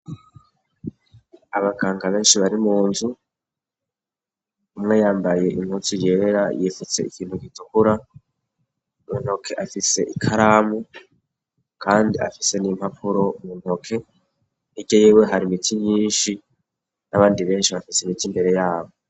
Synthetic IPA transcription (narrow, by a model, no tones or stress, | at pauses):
aβaɡaːŋɡaβe̞ːnʃiβaɾimuːnzu | umŋe̞jaːmbaje̞ʔin̥ut͡sujeːɾajifut͡se̞̰ikiːn̥huɡitukuɾa | umun̥o̞kʰe̞ʔafise̞ʔikʰaɾaːmu | kʰaːndia̰fise̞nim̥hapʰuɾo̞umun̥ho̞kʰe̞ | iɟojewe̞ɦaɾimitʰiɲiːnʃi | naβaːndiβe̞ːnʃiβafiseimitimbe̞ɾe̞jaːβo̞